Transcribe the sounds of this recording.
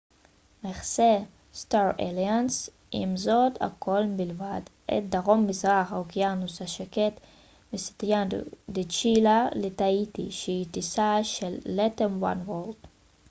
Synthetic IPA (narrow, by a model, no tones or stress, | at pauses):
meχse | staɾḛlians | ḭmzo̞d̪a̰kʰo̞lbilvadʔḛt̚d̪aʁo̞mːizʁaχhaokijanusaʃeket̪ | mist̪jand̪it͡ʃilalet̪ait̪ḭʃeitisaʃelːetemwa̰nwold